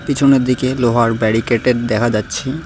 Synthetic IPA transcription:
pit͡ɕʰoneɾd̪ikeloɦaɾbɛɾikeʈeɾd̪ɛkʰad͡ʑatːɕʰi

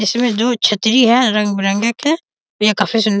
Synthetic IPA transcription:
ɪsmẽd̪oːt͡ʃʰɐt̪ɾiɦɛ̃ɾɐ̃ŋɡ̚bɾə̃ŋɡəkɦɛ̃ | jakaːfʰis̬ʊn

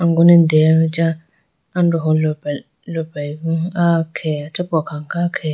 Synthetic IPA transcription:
ãŋɡɔnɪ̃ndɛaʊ̃d͡ʑa | ãndʊɦɔl | lɔbabũakʰɛːat͡ʃʰɛbɔkʰãŋkʰakʰɛ

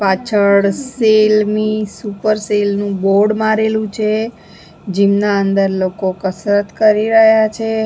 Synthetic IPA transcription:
pat͡ʃʰəɽselmisupəɾselnũboɾɖmaɾelũt͡ʃʰe | d͡ʒimnaənd̪əɾlokokəsɾət̪kəɾiɾəɦjat͡ʃʰe

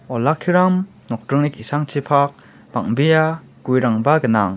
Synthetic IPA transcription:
ɔlakʰːiɾam | nɔk̚tɾɯŋnikisaŋt͡ʃʰipʰak̚ | b̥aŋbija | ɡ̥ujɾaŋbaɡɯna̰ŋ

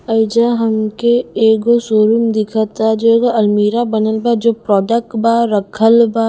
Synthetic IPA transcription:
əɪd͡ʒaɦɐmkeeːɡosoːɾumd̪ɪkʰat̪ad͡ʒoeːɡoɐlmiːɾabənəlbad͡ʒoːpɾɔːɖək̚ʈbaɾəkʰəlba

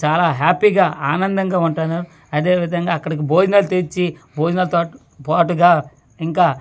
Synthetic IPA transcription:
t͡ʃaːlaːɦaːpiːɡaːaːnɐnd̪ɐŋɡaːuɳʈanaːɾu | ɐd̪e̞ːʋid̪ʱɐŋɡaːɐkːɐɽɐk̬ibʱoːd͡ʒnɐlt̪eɾt͡ʃibʱoːd͡ʒnɐlt̪ɔːu | paːʈuɡaː | iŋkaː

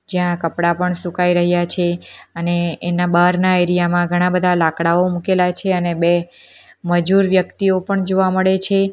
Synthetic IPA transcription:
d͡ʒjãkəpɽapəɳsũkaiɾəɦjat͡ʃʰeəneːnabaɾnaeɾijamãɡʱəɽ̃ãbəd̪ʱalakɽaomukelat͡ʃʰeənebe | məd͡ʒuɾʋjəkt̪iopəɳd͡ʒoʋaməɭet͡ʃʰe

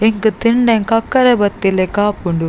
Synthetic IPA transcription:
ɛŋɡɯt̪ɪɳɖɐŋkɐkːɐɾɐbɐt̪ːilekaːpːuɳɖu

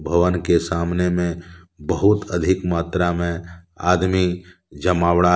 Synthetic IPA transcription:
bʱəʋənkesaːmnemẽ | bəɦʊt̪əd̪ʱɪkmaːt̪ɾamẽ | a̰ːd̪mi | d͡ʒəmaːʋɽaː

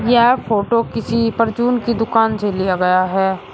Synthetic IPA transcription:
jɛɦfʰoːʈokɪsipɐɾd͡ʒuːnkid̪ʊkaːnselijaɡɐjaɦɛː

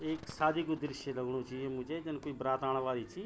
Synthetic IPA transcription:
eːksaːd̪iːkod̪ɾɪʃeləɡɽ̃õt͡ʃiemʊ̃d͡ʒeːd͡ʒɪnkoːiːbɾaːt̪aːɽ̃ʋaːliːt͡ʃʰi

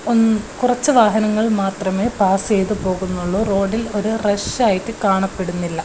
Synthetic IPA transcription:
onːkurɐt͡ɕːɨʋaːɦɐnɐŋːɐɭmaːt̪rɐme̞ːpaːse̞jt̪ɨpo̞ːɣunːuɭːoːro̞ːɖilo̞ɾureʂaːjitːɨkaːɳɐpːe̞ɽunːilːɐ

